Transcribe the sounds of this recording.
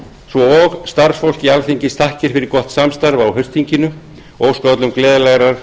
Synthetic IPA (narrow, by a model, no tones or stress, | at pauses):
svɔɔɣst̪aɾ̥sfol̥cialθiɲcɪst̪ʰahcɪɾ̥fɪɾɪɾkɔht̪samst̪aɾvawɦœɥst̪iɲcɪnʏ | oːwskœt̪lʏmklɛːðlaɣɾaɾ̥